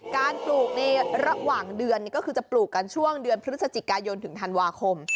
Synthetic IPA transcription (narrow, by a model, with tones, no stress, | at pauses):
kaː˧npluː˨˩k̚na˧jɾa˧waː˨˩ŋdɯ˧ənːi˨˩kɔ˥˩kʰɯː˧˩t͡ɕa˨˩pluː˨˩kːa˧nt͡ɕʰu˥˩əŋdɯ˧ənpʰɾɯ˦˥sa˧t͡ɕi˨˩kaː˧jo˧nt̪ʰɯ˨˩˦ŋt̪ʰa˧nwaː˧kʰo˧m